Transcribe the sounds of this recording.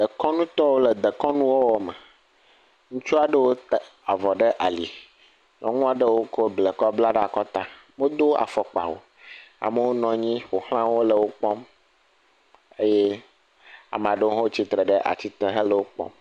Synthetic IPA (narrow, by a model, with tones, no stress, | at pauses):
d̪ə˨kɔ˦nũ˦t̪ɔ˦wo˦lə˨d̪ə˨kɔ˦nũ˦wo˦wɔ˦mə˨ | ŋũ˦t͡ʃu˦a˨ɖə˦wo˦t̪a˨vɔ˨ɖə˦ʔa˨li˨ | nɔ̰̃˨ŋũ˦a˨ɖə˦wo˦ko˦ble˨kɔ˦bla˦ɖə˦a˨kɔ˦t̪a˦ | mo˦d̪o˦a̰˨fɔ˨k͡pa̰˨wo̰˨ | a̰˨mə˦wo˦nɔ̃˨ɲĩ˦wo˨hl̃ã˦wo˦lə˨wo˦k͡pɔ˦m | e˦je˦ | a̰˨m˨a˨ɖə˦wo˦ɦo˦wo˦t͡ɕi˦t̪ɾə˨ɖə˦ʔa̰˨t͡ɕi˦t̪e˦ɦə˦lə˨wo˦k͡pɔ̰̃˦m